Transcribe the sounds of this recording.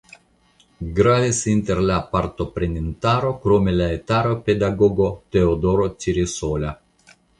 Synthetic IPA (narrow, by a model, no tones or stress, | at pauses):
ɡɾavesint̪eɾlapaɾt̪opɾenent̪aɾokɾomelaet̪aɾoped̪aɡoɡot̪eod̪oɾot͡ʃiɾisola